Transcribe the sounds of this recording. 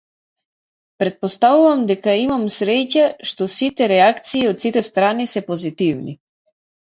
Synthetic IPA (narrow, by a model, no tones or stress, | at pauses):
pɾɛt̪̚pɔst̪avuvamd̪ɛkaimamsɾɛcaʃt̪ɔsit̪ɛɾɛakt̪siːot̪sit̪ɛst̪ɾanisɛpɔzit̪ivnḭ